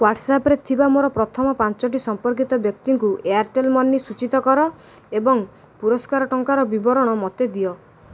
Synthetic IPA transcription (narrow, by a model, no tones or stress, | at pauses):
waʈsapɔɾet̪ʰibamoɾɔpɾɔt̪ʰɔmɔpant͡ʃɔʈ̬isɔmpɔɾk̬it̪ɔbjɔk̚t̪iŋkuʔeaɾʈelmɔnːisut͡ʃit̪ɔkɔɾɔebɔŋ | puɾɔskaɾɔʈɔŋkaɾɔbibɔɾɔɽ̃ɔmɔt̪ed̪iɔ